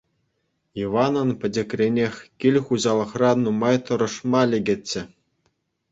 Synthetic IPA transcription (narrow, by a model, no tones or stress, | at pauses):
iʋɑnɤ̆npʲɘ̆dʲɘ̆krʲenʲexʲkʲilʲχuʑɑlˠɤ̆χrɑnumɑjt̪ɤ̆ɾɤ̆ʂmɑlʲeɡʲɘ̆t͡ɕːɘ̆